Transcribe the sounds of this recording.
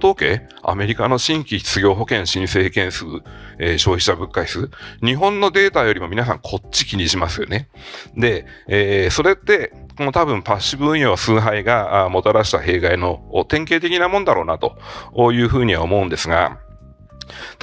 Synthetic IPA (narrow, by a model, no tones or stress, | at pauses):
t̪o̞ːke̞ː | a̰me̞ɾʲikano̞ɕĩŋkʲiçi̥t͡sɨɡʲo̞ːɦo̞kẽ̞ɰ̃ɕĩɰ̃se̞ːkẽ̞ɰ̃sɨːeːɕo̞ːçi̥ɕabɯ̟kːaisɨɯɲ̟iɦõ̞nːo̞d̪e̞ːt̪ajo̞ɾʲimo̞minas̬ã̰ŋkʰo̞tt͡ɕːikʲiɲ̟iɕimasɨjo̞̰ne̞ | d̪e̞ː | so̞ɾe̞t̪ːe̞ko̞no̞t̪abɯ̟̃mpaɕːibɯɯ̃ɰ̃josɨːɦaiɡamo̞t̪oɾaɕi̥t̪aɦe̞ːɡaino̞ːt̪ẽ̞ŋke̞ːt̪e̞kʲinamõ̞nd̪aɾo̞ːnat̪o̞oːjɯ̟ːɸɯ̟ːɲ̟iβa̰o̞mo̞ɯ̟̃nd̪e̞sɨɡa̰ | t̪